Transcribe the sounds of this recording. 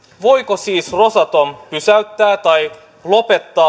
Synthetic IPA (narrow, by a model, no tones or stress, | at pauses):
ʋo̞jkosiːsro̞sɑt̪ompysæyt̪ːæːt̪ɑj | lo̞pe̞t̪ːɑː